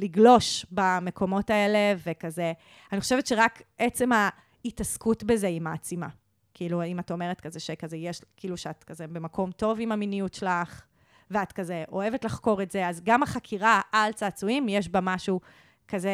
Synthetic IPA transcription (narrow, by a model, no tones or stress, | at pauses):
liɡlo̞ʃbame̞kʰo̞mo̞tae̞le̞vekaze | aniχo̞ʃevetʃeʁakʔet͡se̞ma | itaskutbeze̞imaːt͡sima̰ | kiiluimato̞meʁetkazeʃekazejeʃkiiːluʃeatkazebe̞mako̞mto̞vimaminijutʃelaχ | veatkazeʔo̞e̞vetlaχko̞ʁetzeazɡamaχakʰiʁaalt͡saːt͡suimjeʃ̬bamaʃu | kaze